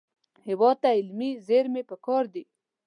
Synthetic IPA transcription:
hɪwɑd̪̚t̪ːaɪlmizeɾmepəkɑɾd̪i

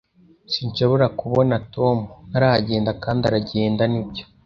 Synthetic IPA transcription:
siɲʃo̞βo̞ɾakuβo̞natʰo̞ːmunaɾaaɟeːndakaːndaɾaɟe̞ːndanibɟo̞

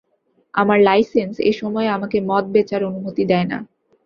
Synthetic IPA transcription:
a̰maɾlajsensḛʃɔmɔeamakemɔt̪̚bet͡ɕaɾonumot̪id̪ɛena̰

